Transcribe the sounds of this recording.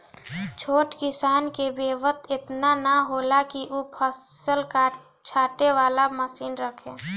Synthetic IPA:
t͡ʃʰoːʈkɪsaːnkebeːʋət̪ʰɪt̪nanaɦoːlakiʔupʰəs | əlka | t͡ʃʰaːʈeʋaːlaməsiːnɾəkʰẽː

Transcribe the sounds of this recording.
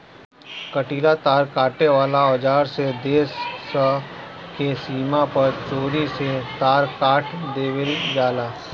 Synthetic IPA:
kəʈiːlat̪aːɾkaːʈeʋaːlaɔd͡ʒaːɾsed̪eːsəkesiːmapɐɾt͡ʃoːɾiset̪aːɾkaːʈʰd̪eːʋɪld͡ʒaːlaː

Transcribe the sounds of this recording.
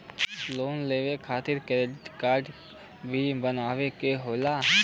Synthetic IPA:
loːnleːʋekʰaːt̪ɪɾkeɾeʈkaːɾɖ | bʱibənaːʋekeɦoːla

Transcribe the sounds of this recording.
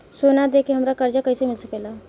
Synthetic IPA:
sonad̪ekeɦəmɾakəɾd͡ʒakəisemɪlsəkela

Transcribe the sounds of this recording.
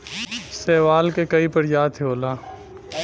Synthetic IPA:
sɛːʋaːlkekɐipɐɾjaːt̪ʰeoːlaː

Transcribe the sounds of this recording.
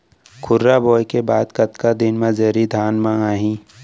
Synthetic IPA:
kʰʊɾːaboːjkebaːd̪kɐt̪kad̪ɪnmãd͡ʒəɾid̪ʱaːnmãaːɦĩ

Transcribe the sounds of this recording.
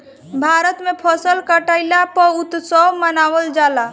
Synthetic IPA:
bʱaɾət̪mepʰəsəlkəʈəɪlapəɾut̪sɔmənawəld͡ʒala

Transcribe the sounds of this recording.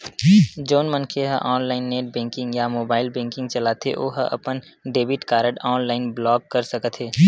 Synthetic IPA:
d͡ʒoːnmə̃nkʰeɦəʔɔːnlaːɪnːeːʈ̚bɛ̃ːŋkɪ̃ŋɡjamoːbaːɪlbẽːŋkɪ̃ŋɡt͡ʃɐlaːt̪ʰḛʔo̰ːɦəʔɐ̰pən | ɖeːbɪʈkaːɾəʈɔːnlaːɪnblɔːɡ̚kɐɾsɐkət̪ʰeː

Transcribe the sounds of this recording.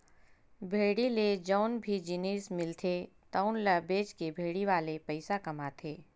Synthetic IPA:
bʱeːɽiled͡ʒɔːnbʱid͡ʒɪneːsmɪlt̪ʰet̪aʊnlɐbeːd͡ʒkebʱeːɽiʋaːlepɐɪsakɐmaːt̪ʰeː

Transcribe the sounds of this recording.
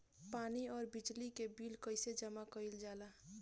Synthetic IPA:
paːniɔːɾbɪd͡ʒlikebiːlkəɪsed͡ʒəmakəɪld͡ʒaːlaː

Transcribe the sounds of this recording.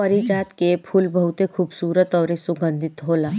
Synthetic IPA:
ɐɾid͡ʒaːt̪kepʰʊlbɐɦʊt̪ekʰuːbsuːɾət̪ɔːɾisuɡə̃nd̪ʱɪt̪ɦoːlaː

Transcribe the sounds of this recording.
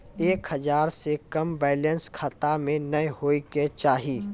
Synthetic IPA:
eːkhəzaːɾsekɐmbɛːlə̃nskʰaːt̪amẽnəhoːiket͡ʃaːɦiː

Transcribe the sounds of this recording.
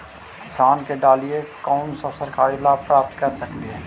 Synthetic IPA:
ɪsaːnkeɖaːliekɔːmsasəɾkaːɾilaːpɾaːp̚t̪kɐɾsəkd̪iɦɛː

